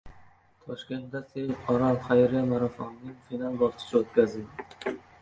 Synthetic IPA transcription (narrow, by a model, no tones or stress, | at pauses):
t̪ʰɒʃkʲe̞nt̪̚d̪asejɒɾalχajɾjamaɾafɒnnɪŋfinalˠbɒɾt̪ʰɪ̥ʃɪot̪kʲʰazɪd̪ɪ